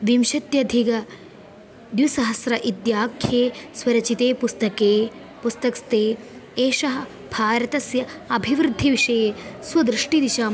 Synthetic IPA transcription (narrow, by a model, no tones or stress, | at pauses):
ʋimʃɐt̪jɐd̪ʱiɡɐ | d̪jusɐɦɐsɾɐʔid̪jaːkʰjeːswɐɾɐt͡ʃit̪eːpust̪ɐkeː | pust̪ɐkst̪eː | eːʃɐɦɐ̆ | b̥ʱaːɾɐt̪ɐsjɐɐbʱiʋɾɨd̪ʱːiʋiʂɐjeːswɐd̪ɾɪʂʈid̪iʃaːm